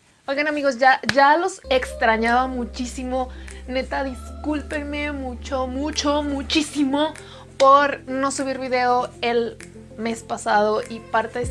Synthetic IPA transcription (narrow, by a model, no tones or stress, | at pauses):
ojɣanamiɣo̞s̬ʝaʝalo̞se̞kst̪ɾaɲaβamut͡ʃisimo̞ne̞t̪aðiskulpenme̞mut͡ʃo̞mut͡ʃo̞mut͡ʃisimo̞ | po̞ɾno̞suβiɾβiðe̞oe̞l | me̞spasaðo̞ʔipaɾt̪e